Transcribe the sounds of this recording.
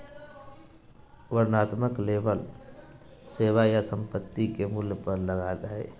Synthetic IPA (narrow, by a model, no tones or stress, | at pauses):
ʋəɾnaːt̪məkleːbəl | seːʋajasə̃mpət̪ːikemʊljpəɾləɡaːɾəɦɛː